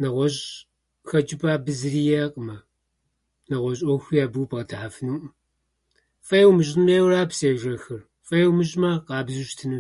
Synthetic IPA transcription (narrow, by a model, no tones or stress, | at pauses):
nɐʁʷɔɕ | xɐd͡ʒɪbʼaːbɨzɨriːjɐqʼəmɐ | nɐʁʷɔɕʼɔxʷjaːbuwbʁɐtʰħafɨnuːʔ | fʼɐjɛwmɨɕʼnmeːwraːpseːʒɐxɨr | fʼɐjɛwmɨʒʼmɐqɑːbzuʃtʰɨnɨ